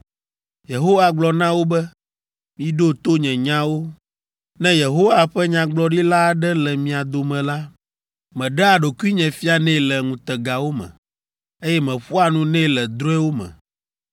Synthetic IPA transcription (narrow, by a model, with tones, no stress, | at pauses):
je˨ɦo˦wa˨ɡ͡blɔ˨nã˦wo˦bɛ˦ | mĩ˦ɖo˦t̪o˦ɲɛ̃˨ɲã˦wo˦ | nɛ̃˦je˨ɦo˦wa˨ɸɛ˦ɲã˨ɡ͡blɔ˦ɖi˦la˦ɖɛ˦lɛ˨mĩ˨a˨d̪o˨mɛ̃˨la˦ | mɛ̃˨ɖɛ˦a˨ɖo˨ki˦ɲɛ̃˨fi˦a˨nɛ̃˦˨lɛ˨ŋũ˨t̪ɛ˨ɡa˨wo˦mɛ̰̃˨ | e˦jɛ˦mɛ̃˨ɸo˦a˨nũ˦nɛ̃˦lɛ˨d̪ɾo˦ɛ˦wo˦mɛ̰̃˨